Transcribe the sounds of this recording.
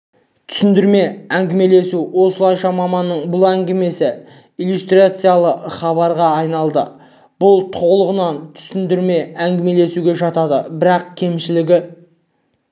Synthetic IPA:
t̪ʰʏ̥sɪnd̪ɪɾme̞æŋɡʲɪme̞le̞suwo̞səlˠɑjʃɑmɑmɑnːəɴbʊlˠæŋɡʲɪme̞sɪ | ijlust̪rʲat̪sɨjalˠəχɑβɑɾʁɑːjnɑlˠd̪ə | b̥ʊlˠt̪ʰolˠəʁənɑnt̪ʰʏ̥sɪnd̪ɪɾme̞æŋɡʲɪme̞le̞suɡʲe̞ʒɑt̪ɑd̪ə̰bɪɾɑqkʲʰe̞mʃɪlɪɡʲɪ

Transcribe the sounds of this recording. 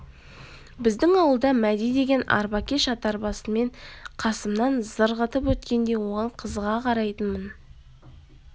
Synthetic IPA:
bɪzd̪ɪŋɑwəlˠd̪ɑmæd̪ijd̪e̞ɡʲe̞nɑ̰ɾbɑkʲe̞ʃɑt̪ɑɾbɑsəme̞ɴqʰɑsəmnɑnzəɾʁət̪əpwɵt̪kʲe̞nd̪e̞wo̞ʁɑɴqʰəzʁɑqʰɑɾɑjt̪ənmən

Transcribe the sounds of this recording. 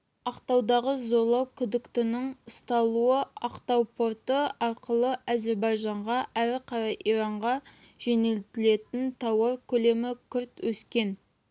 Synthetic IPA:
ɑqt̪ɑwd̪ɑʁəzo̞lˠɑwkʲʰʏd̪ɪkt̪ɪnɪŋʊst̪ɑlˠuəɑqt̪ɑwpʰo̞ɾt̪əɑɾqəlˠəʔaze̞ɾbɑjʒɑɴʁɑʔæɾɪqʰɑɾɑjʔiɾɑɴʁɑʒ̥e̞nelt̪ɪle̞t̪ɪnt̪ʰɑwɑɾkʲʰɵle̞mɪkʲʰʏɾt̪wɵskʲe̞n

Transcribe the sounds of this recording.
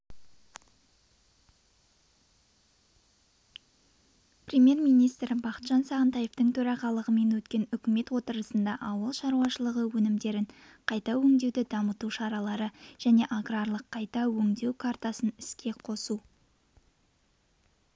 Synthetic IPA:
prʲemje̞rmijnijst̪rbɑqə̥t̪ʒ̥ɑnsɑʁənt̪ɑjeft̪əɴt̪ʰɵɾɑʁɑlˠəʁəme̞nwɵt̪kʲe̞nʏkʲɪme̞t̪wo̞t̪əɾəsənd̪ɑʔɑwəlˠʃɑɾuɑʃəlˠəʁəwɵnɪmd̪e̞ɾɪɴ | qʰɑjt̪ɑwɵŋd̪e̞wd̪ɪd̪ɑmət̪uʃɑɾɑlˠɑɾəʒ̥æne̞ʔaɡrarlˠəqʰːɑjt̪ɑwɵŋd̪e̞wkʰart̪ɑsənɪskʲe̞qʰo̞su

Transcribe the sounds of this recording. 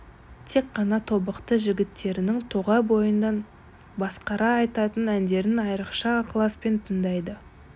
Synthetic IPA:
t̪ʰe̞kqɑnɑt̪ʰo̞bəqt̪əʒɪɡʲɪt̪ːe̞ɾɪnɪŋt̪ʰoʁɑbo̞jənd̪ɑn | bɑsqɑɾɑːjt̪ɑt̪ənænd̪e̞ɾɪnɑjɾəqʃɑqʰlˠɑspe̞nt̪ʰəɴd̪ɑjd̪ə

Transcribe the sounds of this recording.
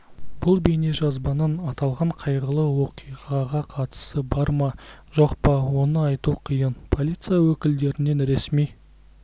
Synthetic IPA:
bʊlˠbejne̞ʒɑzbɑnənɑt̪ɑlˠʁɑɴqʰɑjʁəlˠəwo̞qijʁɑʁɑqʰɑt̪ə̥səbɑɾmɑʒo̞qpɑwo̞nəɑjt̪uqʰijənpʰo̞lʲˠijt̪sɨjawɵkʲɪld̪e̞ɾɪne̞nɾe̞smij

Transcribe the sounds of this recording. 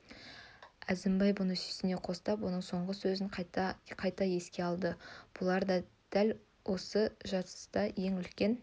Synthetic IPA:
æzɪmbɑjbʊnəsi̥sɪne̞qʰo̞st̪ɑp̬wo̞nəɴso̞ɴʁəsɵzɪɴqʰɑjt̪ɑje̞skʲe̞ɑlˠd̪əb̥ʊlˠɑɾd̪ɑ | d̪̥æl | wʔo̞səʒɑt̪ə̥st̪ɑje̞ŋʏlkʲe̞n

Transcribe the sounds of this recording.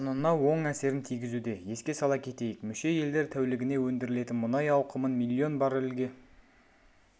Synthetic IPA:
nənɑwo̞ɴæse̞ɾɪnt̪ʰijɡʲɪzud̪e̞je̞skʲe̞sɑlˠɑkʲʰe̞t̪e̞jɪkmʏʃe̞je̞ld̪e̞ɾt̪ʰæwlɪɡʲɪne̞wɵnd̪ɪɾɪle̞t̪ɪnmʊnɑjɑwqʰəmənmilʲːio̞nbɑɾɪlɡʲe

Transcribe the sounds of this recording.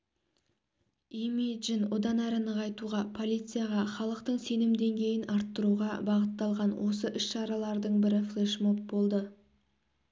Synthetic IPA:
imijʒɪnwo̞d̪ɑnæɾənəʁɑjt̪uʁɑpʰo̞lʲˠijt̪sɨjaʁɑχɑlˠəqt̪əɴse̞nɪmd̪e̞ŋɡʲe̞jɪnɑɾt̪ːəɾuʁɑbɑʁət̪ːɑlˠʁɑnwʔo̞səʔʏʃʃɑɾɑlˠɑɾd̪əɴbɪɾɪflˠeʃmo̞p̚bo̞lˠd̪ə

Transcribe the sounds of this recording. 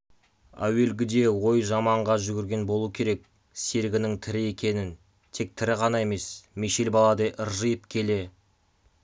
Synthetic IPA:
æ̰we̞lɡʲɪd̪e̞wo̞jʒɑmɑɴʁɑʒʏɡʲɪɾɡʲe̞nbo̞lˠuəkʲʰe̞ɾe̞k̚ | se̞ɾɡʲɪnɪŋt̪ʰɪɾɪe̞kʲʰe̞nɪn | t̪ʰe̞k̚t̪ʰɪɾɪʁɑnɑe̞me̞smeʃelbɑlˠɑd̪eʔəɾʒəjəpkʲʰe̞le̞

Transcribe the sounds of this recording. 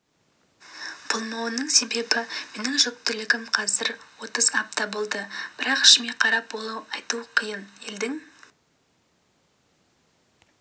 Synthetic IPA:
b̥ʰʊlˠmɑwənəɴse̞be̞bɪme̞nɪŋʒɵk̚t̪ɪlɪɡʲɪmqʰɑzɪɾwo̞t̪əzɑp̚t̪ɑbolˠd̪əb̥ɪɾɑqɪ̥ʃɪmeqʰɑɾɑp̚bo̞lˠuɑjt̪uqʰijəneld̪ɪŋ

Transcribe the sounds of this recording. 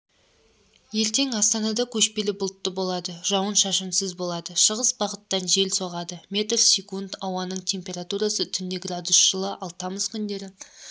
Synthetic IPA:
je̞ɾt̪e̞ŋɑst̪ɑnɑd̪ɑkʲʰɵʃpe̞lɪbʊlˠt̪ːəbo̞lˠɑd̪əʒ̥ɑwənʃɑʃənsəzbolˠɑd̪əʃəʁəsbɑʁət̪ːɑnʒe̞lsoʁɑd̪əmʲe̞t̪rsʲekund̪ɑwɑnəɴt̪ʲʰe̞mpʲe̞ɾat̪uɾɑsət̪ʰʏnd̪ɪɡrad̪usʒ̥əlˠəʔɑlˠt̪ɑməzkʲʰʏnd̪e̞ɾɪ

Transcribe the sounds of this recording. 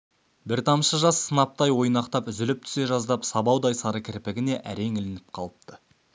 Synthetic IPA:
bɪɾt̪ʰɑmʃəʒɑsːənɑp̚t̪ɑjwo̞jnɑqt̪ɑpʏzɪlɪp̚t̪ʰʏ̥se̞ʒɑzd̪ɑpsɑbɑwd̪ɑjsɑɾəkʲʰɪɾpɪɡʲɪne̞ʔæɾe̞ŋɪlɪnɪp̚qʰɑlˠəp̚t̪ə

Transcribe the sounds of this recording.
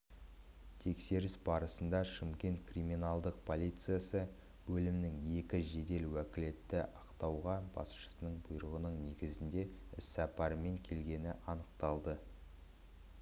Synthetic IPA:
t̪ʰe̞kse̞ɾɪsbɑɾəsənd̪ɑʃɪmkʲe̞nt̪kriminɑlˠd̪əq̚pʰolʲˠijt̪sɨjasə | bɵlɪmɪnɪŋje̞kʲɪʒe̞d̪e̞lwækʲɪle̞t̪ːɪʔɑqt̪ɑwʁɑbɑ̰sʃə̥sənəɴbʊjɾəʁənəɴne̞ɡʲɪzɪnd̪e̞ɪsːɑpɑɾəme̞ŋkʲʰe̞lɡʲe̞nɪʔɑnəq̚t̪ɑlˠd̪ə

